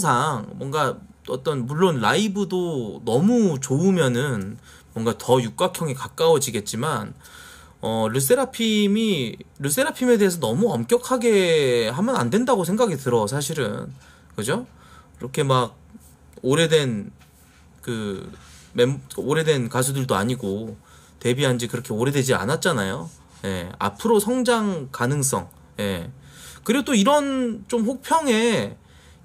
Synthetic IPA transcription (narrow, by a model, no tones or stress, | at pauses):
sʰaŋmwʌnɡaʌt͈ʌnmuɭːonlaibɯdonʌmut͡ɕoɯmjʌnɯn | mwʌŋɡatʌjuk̚k͈akʰjʌŋikak͈awʌd͡ʑiɡe̞t̚t͡ɕ͈iman | ʌɾus̬͈eɾapʰimiɾus̬͈e̞ɾapʰime̞de̞ɦːsʰʌnʌmuʌmkjʌkʰaɡe̞ɦamjʌna̰ndwe̞ndaɡosʰe̞ŋɡaɡitɯɾʌsʰaɕ̬ʰiɾɯ̰n | kɯd͡ʑo | kiɾʌkʰe̞maɡ̚ | oɾe̞dwe̞n | kɯ | memoɾe̞dwe̞nkasʰudɯɭdoa̰ɲiɡo | te̞biɦand͡ʑikɯɾʌkʰe̞oɾe̞dwe̞d͡ʑia̰nat̚t͡ɕ͈anajo | je̞̰a̰pʰɯɾosʰʌŋd͡ʑaŋkanɯŋs̬͈ʌ̰ŋ | je̞kɯɾiɡot͈oiɾʌnt͡ɕomɸok̚pʰjʌŋe̞